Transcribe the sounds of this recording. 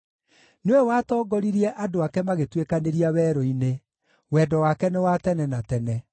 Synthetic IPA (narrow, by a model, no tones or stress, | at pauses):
newɛwatɔːɡɔɾiɾiɛʔadoakɛmaɣetwekaneɾiawɛːɾɔine | wɛdɔwakɛnewatɛnɛnatɛnɛ